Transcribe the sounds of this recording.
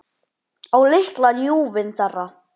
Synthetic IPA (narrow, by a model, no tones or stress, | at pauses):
awlɪht̪laljuːvɪnθɛrːa